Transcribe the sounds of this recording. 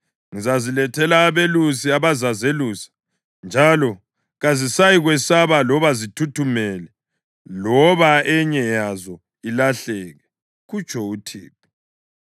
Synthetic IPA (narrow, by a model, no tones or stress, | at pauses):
ŋizazilɛtʰɛlaːβelusiaβazazeluːsḁ | nd͡ʒʱalɔ | ɣazisajiɣwɛsaβalɔβazitʰutʰumɛlɛ | lɔβaɛɲɛjazɔ | ilaɬɛːɣɛ | ɣut͡ʃʼʰɔutʰḭːp̚ʰi̥